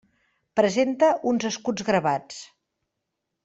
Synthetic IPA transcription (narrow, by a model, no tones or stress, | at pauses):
pɾəzent̪əʔunzəskud͡zɣɾəβat͡s